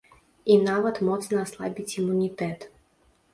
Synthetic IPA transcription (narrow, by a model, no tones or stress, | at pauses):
inaʋat̪mot̪snaslˠa̰bit̪sʲimunit̪et̪